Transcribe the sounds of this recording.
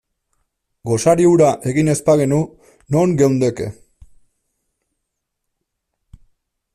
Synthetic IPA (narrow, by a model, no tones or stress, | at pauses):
ɡo̞saɾiuɾaʔe̞ɣine̞spaɣe̞nu | no̞ŋɡe̞wnd̪e̞ke̞̰